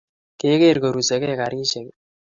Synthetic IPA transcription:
ke˦ke˦˨ɾko˨ɾu˨se˨kɛ˦ka˨ɾi˦ʃe˨k

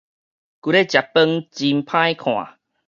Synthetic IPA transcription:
ku˨˧ɾe˦t͡ɕja˨˩pːə˦˧ŋt͡ɕi˧mpʰã˦jkʰw̃ã̰˨˩

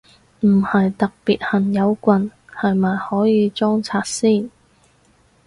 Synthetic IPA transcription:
m̩˨˩hɐ˨jt̪ɐ˨k̚piː˨t̚hɐ˨˩njɐ˨˧wkʷɐ˨nhɐ˨jmaː˨jhɔː˨˥jiː˨˧t͡sɔː˥ŋt͡sʰaː˧t̚siː˥˩n

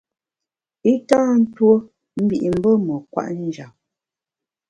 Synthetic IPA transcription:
i˦tãː˦n̩˦two˦ | m̩˦bi˨ʔi˨m̩˦bə˦mə˨kwa̰˦˨ʔn̩˦d͡ʒa˨p̚

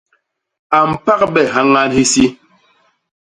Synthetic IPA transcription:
a˨m̩˨pa˦k̚bɛ˨ɦa˦ŋa˦nhi˦si˦

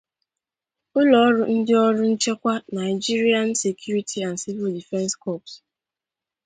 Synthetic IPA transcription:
ʊ˦lɔ˨ɔ˦ɾʊ˦n̩˦dɪ˦ɔ˦ɾʊ˦n̩˦t͡ʃe˦kʷa˦na˨ɪ˨d͡ʒi˦ɾi˦a˦n˦se˨kʰju˦ɾi˦tʰi˦a˨n̩˨si˦vɪ˨ldi˨fɛ˦nskɔ˦˨ps

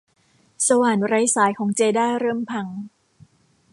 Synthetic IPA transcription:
sa˧waː˨˩nɾa˦˥jsaː˩˦jkʰɔː˩˦ŋt͡ɕeː˧daː˥˩ɾɤː˥˩mpʰa˧ŋ

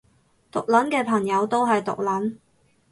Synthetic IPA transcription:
t̪ʊ˨k̚lɐ˨˥nkɛː˧pʰɐ˨˩ŋjɐ˨˧wt̪o˥wɦɐ˨jt̪ʊ̰˨k̚lɐ˨˥n

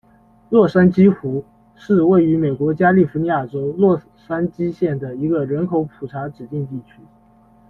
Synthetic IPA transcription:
lwɔ˥˩ʂa˥nt͡ɕi˥xu˧˥ | ʂɻ̩˥˧we˥˩ɪy˧˥me˨˩ɪkwɔ˧˥t͡ɕja˥li˥˩fu˧˥ni˧˥ja˥˩ʈ͡ʂo˥ʊlwɔ˥˩ | ʂa˥nt͡ɕi˥ɕjɛ˥˩nd̪ə˩i˧˥ɡə˧ɻə˧˥nkʰo˧˥ʊpʰu˨˩ʈ͡ʂʰa˧˥ʈ͡ʂɻ̩˨˩t̪i˥˧ŋt̪i˥˩t͡ɕʰy˥

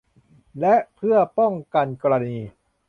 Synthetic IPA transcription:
lɛ˦˥ʔpʰɯ˥˩ɐpɔ˥˩ŋka˧nkɔː˧ɾa˧niː˧

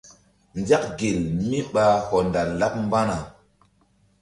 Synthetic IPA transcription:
nd͡ʒa˦kɡe˨lmi˦ɓa˨hɔ˨nda˨la˦p̚m˦ba˦na˨

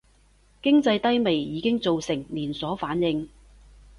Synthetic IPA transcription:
kɪ˥ŋt͡sɐ˧jt̪ɐ˥jme˨˩jjiː˨˧kɪ˥ŋt͡so˨wsɪ˨˩ŋliː˨˩nsɔː˨˥faː˨˥njɪ˧ŋ

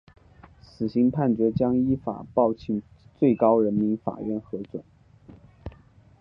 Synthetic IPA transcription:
sɹ̩˨˩ɕi˧˥ŋpʰa˥˩nt͡ɕɥɛ˧˥t͡ɕjɑ˥ŋi˥fa̰˨˩pɑ˥˧ʊt͡ɕʰi˧˥ŋ | t͡swe˥˩ɪkɑ˥ʊɻə˧˥nmi˧˥nfa̰˨˩ɥɛ˥˩nxɤ˧˥t͡swə̰˨˩˦

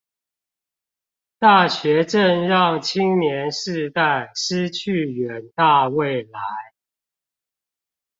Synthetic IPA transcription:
t̪a˥˩ɕɥɛ˨˦ʈ͡ʂə˥˨nɻɑ˥˨ŋt͡ɕʰi˦ŋnjɛ˨˦nʂɻ̩˥˧t̪a˥˨ɪʂɻ̩˥t͡ɕʰy˥˨ɥɛ˨˦nt̪a˥˧we˥˨ɪla˨˦ɪ

